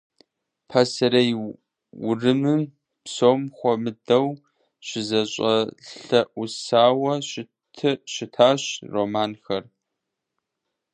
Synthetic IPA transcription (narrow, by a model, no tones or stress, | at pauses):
pʰasɐɾɐj | wʊrɨmɨm | psoːmχʷɔmɨdɐw | ɕɪzɐɕʼɐɬɐʔʊsaːwɐɕɪ | tʰɨɕɪtʰaːɕroːmaːnxɐr